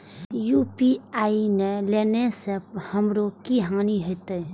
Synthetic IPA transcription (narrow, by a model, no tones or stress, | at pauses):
jupiajnelenesep̚hɐmɾokiɦaŋniɦəjt̪əj